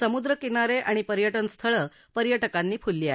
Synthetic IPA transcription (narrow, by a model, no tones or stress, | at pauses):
səmud̪ɾəkinaɾeʔaɽ̃ipəɾjəʈənst̪ʰəɭəː | pəɾjəʈəkanːiːfulːiːa